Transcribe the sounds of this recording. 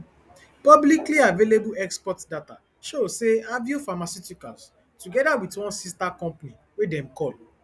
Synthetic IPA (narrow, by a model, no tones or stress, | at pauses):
pɔblikliavelebuɛkspɔtdata | ʃoseavjufamasutikals | tuɡɛdawitwɔ̃nsistakɔ̃mpani | wedɛ̃mkɔl